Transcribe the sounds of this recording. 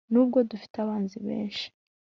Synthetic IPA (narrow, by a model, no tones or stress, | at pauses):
nuːb̚ɡo̞dufi̥taβaːnziβḛːnʃi̥